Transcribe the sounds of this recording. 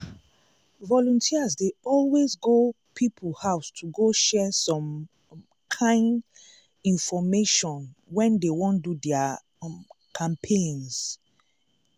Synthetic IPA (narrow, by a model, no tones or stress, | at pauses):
vɔlɔ̃ntʰiazdeɔlwezɡo | pʰipʰul̩haʊstʰuɡoʃɛsɔ̃m | kʰãɪ̃nd | ĩnfɔmeʃɔ̃nwɛ̃ndewɔ̃ndudɛa | kʰãmpʰẽns